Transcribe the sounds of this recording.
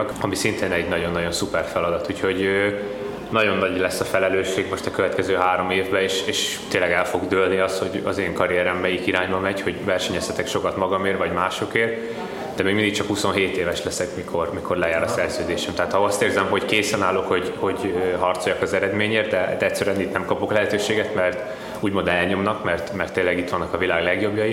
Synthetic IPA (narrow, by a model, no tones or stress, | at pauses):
kɒmisint̪eːnɛɟnɒɟo̞nːɒɟo̞nsupɛrfɛlɒd̪ɒt̪uːcho̞ɟø | nɒɟo̞nːɒɟlɛsːɒfɛlɛløːʃːeːɡmo̞ʃt̪ɛkøvɛt̪kɛzøːɦaːɾo̞meːvbɛeːʃeːʃt̪eːnlːɛɡɛlfo̞ɡd̪ølniɒst̪ho̞ɟɒ̰zeːŋkɒɾiɛɾɛmːɛjikiɾaːɲbɒmɛɟho̞ɟvɛrʃɛɲɛsɛt̪ɛkʃo̞kɒt̪mɒɡɒmeːrvɒɟmaːʃo̞keːr | d̪̥ɛmeːɡmind̪ik̚t͡ʃɒkhuso̞nɦeːt̪eːvɛʃlɛsɛkmikʰo̞rmikʰo̞rlɛjaːɾɒsɛrzøːd̪eːʃɛmt̪ɛɦaːt̪hɒɒst̪eːrzɛmɦo̞ckeːsɛnaːlokho̞ɟho̞ɟɦɒrt̪so̞jɒkɒzɛɾɛd̪meːɲeːrt̪̚d̪ɛd̪ɛɛcʲsːɛɾyɛnit̪nɛmkɒpo̞klɛɦɛt̪øːʃeːɡɛt̪mɛrt̪ | uːɟmond̪ɛlɲo̞mnɒkmɛrt̪mɛrt̪ːeːlːɛɡit̪ʋɒnːɒkɒvilaːɡlɛɡjo̞bjɒji